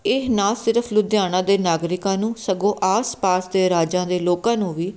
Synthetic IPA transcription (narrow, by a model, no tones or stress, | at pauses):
ɪɦnaːsɪɾəpʰlʊd̪jaːnãːd̪eːnaːɡɾɪkãːnũːsəɡõːʔaːspaːsd̪eːɾaːd͡ʒãːd̪eːloːkãːnũːʋiː